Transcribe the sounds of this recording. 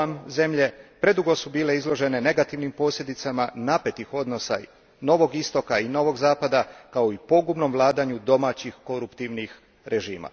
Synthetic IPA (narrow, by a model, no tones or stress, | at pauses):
amze̞mʎe̞pɾe̞d̪uɡo̞subiːle̞izlˠo̞ʒe̞ne̞ne̞ɡat̪iʋnimpo̞sʎʲe̞d̪it̪samanape̞t̪ixo̞d̪no̞sa̰ | no̞ʋo̞ɡist̪o̞kaino̞ʋo̞ɡzaːpad̪akao̞ipo̞ɡubno̞mʋlˠaːd̪aɲud̪o̞maːt͡ɕixko̞ɾupt̪iʋnix | ɾe̞ʒiːma̰